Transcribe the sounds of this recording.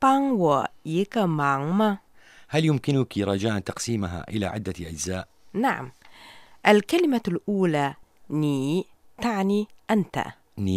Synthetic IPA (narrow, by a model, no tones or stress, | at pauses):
paŋwajɪkamaŋma | haljʊmkɪnʊkiɾˤɑd͡ʒaːʔnt̪ɑqsiːmaɦa̰ʔɪla̰ʕɪd̪ːaʔad͡ʒzaːʔ | naʕa̰m | ʔalkalɪmalʔuːlaniːt̪aʕniʔant̪a̰ | ni